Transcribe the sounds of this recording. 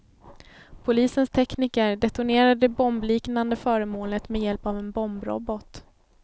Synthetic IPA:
pʰʊliːsənst̪ʰɛkniːkəɾɖɛt̪ʊɳeːɾaəd̪ɛbɔmbliːknand̪əfœːɾəmoːlət̪mɛjɛlpavɛnbɔmbɾɔ̰bɔt̪

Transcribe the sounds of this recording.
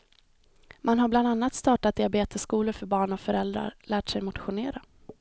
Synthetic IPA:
manɦaɾbland̪anːat̪st̪ɑːʈat̪̚d̪ɪabeːt̪əskuːləɾfœɾbɑːɳɔkfœɾɛld̪ɾa̰ɾlæːʈsɛjmʊt̪ɧʊneːɾa

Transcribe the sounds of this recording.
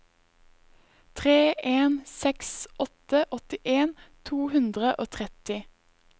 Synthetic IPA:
t̪ʰʁeːʔeːnsɛksʔɔt̪əʔɔt̪ɪʔeːnt̪ʰuːhʉnd̪ʁəʔoːt̪ʰʁɛt̪ɪ

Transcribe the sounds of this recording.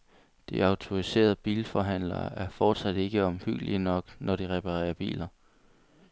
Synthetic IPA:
d̥ḭɑ̈ʊt͡sʰo̝ʁise̝̰ːɐð̞ˠb̥ḭːlfɒɦæn̰lɐ̰æɐfɒːd̥sæd̥e̝ɡ̥əɒ̽mhyɡ̥əliənɒ̽ɡ̥nʔɒɾ̥iʁɛpʰɑʁɛ̰ːɐb̥ḭːlɐ

